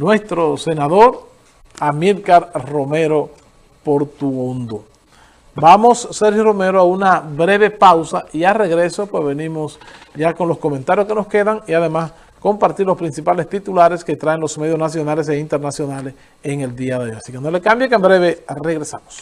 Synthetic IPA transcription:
nwe̞st̪ɾose̞naðoɾ | amilkaɾromeɾo̞ | poɾt̪uond̪o | bamo̞sːeɾhjoro̞me̞ɾoaunaβɾe̞βe̞pawsaʔiare̞ɣɾe̞so̞pwe̞zβe̞nimo̞sɟ͡ʝako̞nlosko̞ment̪aɾjoskeno̞ske̞ðaŋiað̞emas | ko̞mpaɾt̪iɾlo̞spɾinsipale̞st̪it̪ulaɾe̞ske̞t̪ɾaeŋlo̞sme̞ðjoznasjo̞nale̞seint̪eɾnasjo̞nales | eŋe̞ld̪iaðeojasike̞no̞le̞kambjekembɾe̞βe̞reɣɾe̞samos

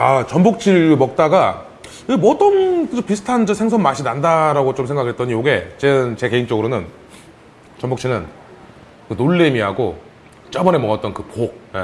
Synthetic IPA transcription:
at͡ɕʌmbok̚t͡ɕʰiɾmʌk̚t͈aɡa | emʌt͈ʌnɯopisʰɯ̥tʰand͡ʑʌsʰe̞ŋs̬ʰʌmmaɕʰinandaɾaɡot͡ɕoms̬ʰeŋɡakʰɯet͈ʌɲijoɡe̞t͡ɕeɯnt͡ɕe̞ke̞int͡ɕ͈ʌɡɯɾonɯn | t͡ɕʌmbokt͡ɕʰinɯn | kɯnoɭːemiɦaɡo | t͡ɕ͈ʌbʌne̞mʌŋʌt͈ʌnkɯpok̚e

